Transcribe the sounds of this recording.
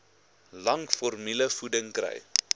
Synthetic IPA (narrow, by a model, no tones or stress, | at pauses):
lɐŋfɔrmiləfudəŋkrə̰j